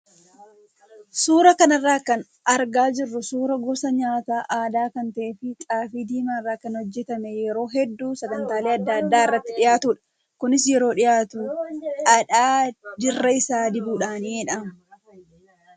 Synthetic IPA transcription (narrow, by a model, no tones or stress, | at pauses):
suːɾɐkɐnɐrːaːkɐn | ɐɾɡaːd͡ʒɪrːʊsuːɾɐɡʊbsɐɲaːt̪aːʔaːd̪aːkɐnt̪ɐʔeːfɪt͡ʃ̪ʼaːfiːd̪iːmaːrːaːkɐnhɔd͡ʒːɛt̪ɐmɛjɛɾo̞ːɦɛd̪ːuːsɐɡɐnt̪aːleːɐd̪ːɐɐd̪ːaːɪrːɐt̪ːɪᶑɪjaːt̪uːᶑɐ̥ | kʊnɪs̬jɛɾo̞ːᶑɪjaːt̪uːɐᶑaːd͡ʒɪrːɐɪsaːd̪ɪbuːᶑaːniːɛᶑɐmɐ